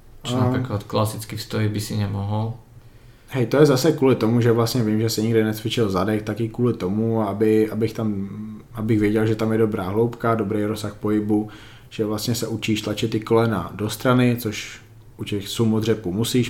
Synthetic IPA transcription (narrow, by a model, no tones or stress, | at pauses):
aakat̪klasɪt͡skixst̪ojibɪsɪɲɛmɔɦɔl | hɛjt̪ojɛzasɛkuːlɪt̪o̞muʒɛvlast̪ɲɛvɪmʒɛsɪɲɪɡdɛnɛt͡sʋɪt͡ʃɪlzadɛkt̪akɪkuːlɪt̪omuabɪabɪxt̪amabɪɣvjɛɟɛlʒɛt̪amjɛdobɾaːɦlo̞wpkadobɾejɾosaxpoɦɪbu | ʒ̥ɛvlast̪ɲɛsɛʔut͡ʃiːʃt̪lat͡ʃɪt̪ɪko̞lɛna̰do̞st̪ɾanɪt͡soʃ | ʔucɛxsumod̪r̝ɛpuːmusiːʃ